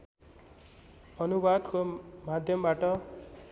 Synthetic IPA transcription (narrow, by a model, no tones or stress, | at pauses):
ʌnubad̪komad̪ʱjʌmbaʈʌ